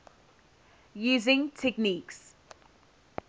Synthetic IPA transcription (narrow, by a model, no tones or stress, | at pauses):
juːzɪ̃ŋtʰɛkniːks